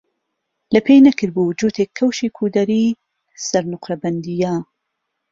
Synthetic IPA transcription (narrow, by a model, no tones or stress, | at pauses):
lɐpʰeːjnɐkʰɨɾbud͡ʒuːt̪ʰekʰːɐwʃiːkʰuːd̪ɐɾiː | sɐɾnʊqɾɐbɐnd̪ijaː